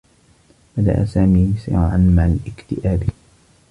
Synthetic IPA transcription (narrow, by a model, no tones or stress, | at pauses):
bad̪a̰ʔa̰saːmiːsɪ̰ʕanmaʕalʔɪkt̪ɪʔaːb